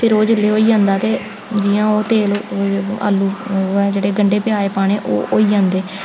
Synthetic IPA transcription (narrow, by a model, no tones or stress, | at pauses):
pʰɪɾoːd͡ʒɪlːeːɦoːiːd͡ʒãːnd̪aːt̪eː | d͡ʒɪːãːoːt̪eːla̰ːlːuːɛːd͡ʒeːɽeːɡəɳɖeːpɪaːeːpaːɽ̃eːʔo̰ːʔo̰ːiːd͡ʒãːnd̪eː